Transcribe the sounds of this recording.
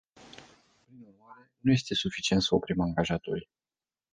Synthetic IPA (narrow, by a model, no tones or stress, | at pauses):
pɾinurmaɾe̞nuje̞st̪e̞sufit͡ʃie̞nt̪səopɾimaŋɡaʒat̪oɾʲ